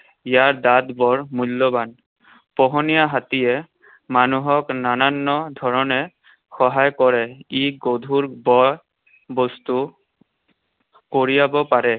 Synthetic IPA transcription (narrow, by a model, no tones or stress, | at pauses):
ijaɹd̪at̪bɔɹmulːɔban | pɔɦɔnijaɦatijɛ | manuɦɔknananːɔdʱɔɹɔnɛ | xɔɦajkɔɹɛiɡodʱuɹbɔj | bɔst̪u | koɹijabɔpaɹɛ